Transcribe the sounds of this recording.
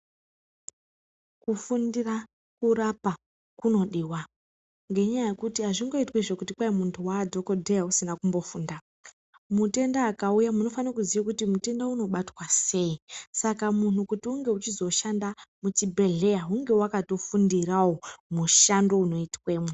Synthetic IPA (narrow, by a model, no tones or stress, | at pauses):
kufundira | kurapa | kuno̞ɗiːwa | ŋɡe̞ɲajaje̞kutiɦaʐiŋɡo̞itweʐe̞kutikwaemuntʰuwadʱo̞ko̞dʱe̞jausinakumbo̞fuːnda | mute̞ndaːkaujamuno̞fanakuziʋikutimute̞ndauno̞ɓatwase̞isakamun̤ukutiuŋɡe̞ut͡ʃizo̞ʃandamut͡ʃibʱe̞ɮe̞jaɦuŋɡe̞wakato̞fundirawomuʃando̞uno̞itwe̞ːmwe